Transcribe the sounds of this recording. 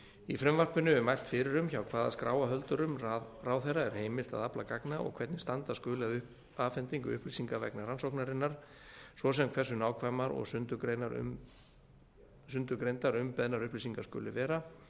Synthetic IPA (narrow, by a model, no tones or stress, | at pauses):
ifɾɛmvar̥pʏnʏʏmajl̥t̪fɪɾɪɾʏmçawkʰvaːðaskɾa̰ːwaɦœlt̪ʏɾʏmaraːwθejraɛɾ̥heːjmɪl̥t̪a̰ðaplakaknaʔɔ̰ɣkʰvɛt̪nɪst̪ant̪askʏːlɪaðʏhp | afɛnt̪iŋkʏʏhplisiŋkavɛ̰knaɾransɔwknaɾɪnːaɾ̥ | svɔsɛmkʰvɛsʏnaːwkʰvajmaɾɔ̰ɣsʏnt̪ʏkɾeːjnaɾʏ̰m | sʏnt̪ʏɾkɾejnt̪aɾʏmpɛðnaɾʏhplisiŋkaskʏ̰ːlɪ̰vɛːɾa